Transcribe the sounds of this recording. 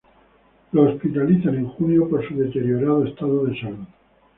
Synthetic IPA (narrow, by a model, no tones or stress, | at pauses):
loːspit̪aliθanẽ̞ŋxunjo̞poɾsuðe̞t̪e̞ɾjo̞ɾaðoe̞st̪aðoðesaluð